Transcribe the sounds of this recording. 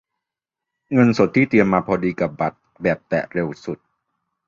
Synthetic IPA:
ŋɤ˧nso˨˩t̪ʰːiː˥˩t̪i˧əmːaː˧pʰɔː˧diː˧ka˨˩p̚ba˨˩t̪̚ | bɛː˨˩p̚t̪ɛ̰˨˩ɾe˧wsu˨˩t̪̚

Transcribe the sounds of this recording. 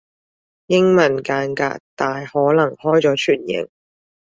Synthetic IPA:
jɪ˥ŋmɐ˨˩nkaː˧nka̰ː˧k̚t̪aː˨jhɔː˨˥lɐ˨˩ŋhɔː˥jt͡sɔː˨˥t͡ʃʰyː˨˩njɪ̰˨˩ŋ

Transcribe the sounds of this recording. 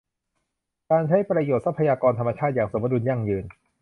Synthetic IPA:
kaː˧nt͡ɕʰa˦˥˩jpɾa˧joː˨˩t̪̚sa˦˥pʰːa˧jaː˧kɔː˧nt̪ʰa˧mːa˧t͡ɕʰaː˥˩t̪̚jaː˨˩ŋso˩˦ba˧duː˧nja˥˩ŋjɯː˧n

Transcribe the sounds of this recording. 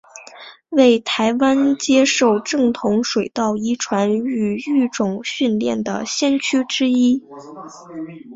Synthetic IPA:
we˥˩ɪt̪ʰa˧˥ɪwa˥nt͡ɕjɛ˥ʂo˥˧ʊʈ͡ʂɤ˥˩ŋt̪ʰʊ˧˥ŋʂwe˨˩ɪt̪ɑ˥˩ʊi˥ʈ͡ʂʰwa˧˥ny˨˩y˥˩ʈ͡ʂʊ˨˩ŋɕy˥˧nljɛ̰˥˩nd̪ə̰˩ɕjɛ˥nt͡ɕʰy˥ʈ͡ʂɻ̩˥i˥

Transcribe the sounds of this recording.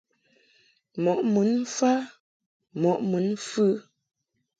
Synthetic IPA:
mɔ˨ʔmu˨˦n˦fa˦ | mɔ˨ʔmu˨˦nfʉ˦

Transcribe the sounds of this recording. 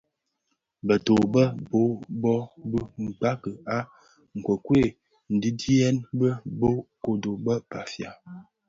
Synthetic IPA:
bə˨to˨bə˦bo˨˦bɔ˦bə˦m̩˨k͡pa˦kə˨a˦ | ŋ̩˨kwə˨kwe˦˨ | n̩˨di˦di˦ɛ˦nbə˦bo˦ko˨do˨bə˦pa˨fja˨

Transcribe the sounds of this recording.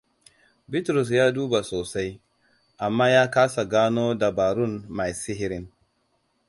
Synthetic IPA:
bɪ˦tɾʊ˨s̬jaː˦duː˦ba˨soː˨sa˦j | ʔa˨mːaː˦jaː˦kaː˦sa˨ɡaː˦noː˦da˨baː˨ɾʊ˦nma˨jsɪ˦ɦɪ˦ɾɪ˦n

